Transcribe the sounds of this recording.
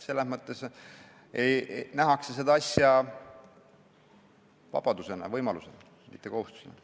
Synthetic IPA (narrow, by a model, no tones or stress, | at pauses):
se̞lːesmɤt̪ːˑe̞s | ejnæɦɑksese̞d̪ɑɑsʲjɑ | vɑ̰b̥ɑd̪use̞nɑ̰vɤjmɑlusenɑ | mit̪ːe̞ko̞hust̪u̥senɑ̰